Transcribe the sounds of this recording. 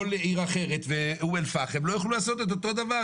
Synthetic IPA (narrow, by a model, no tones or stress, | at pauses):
oleiʁaχe̞ʁet̪veuelfaχemlo̞jaχlulaːso̞t̪et̪̬ot̪o̞d̪ava